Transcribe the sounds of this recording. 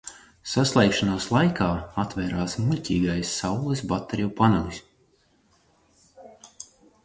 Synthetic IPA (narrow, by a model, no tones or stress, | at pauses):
saslˠɛjkʃanoːslˠajkaːat̪vɛːɾaːsmulʲcʲiːɡajsːawlˠɨs̬bat̪ːeɾijupanɔmisʲ